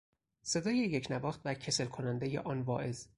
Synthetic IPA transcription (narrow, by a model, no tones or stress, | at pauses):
se̞d̪ɒːjejecʰnæbɒːxt̪væcʰe̞se̞lkʰo̞nænd̪ejḛʔɒːnvɒːʔe̞z